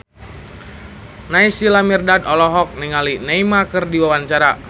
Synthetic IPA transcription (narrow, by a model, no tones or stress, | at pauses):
naisilamirdadɔlɔɦɔk̚niŋalinaimakərdiwawaɲt͡ʃaɾa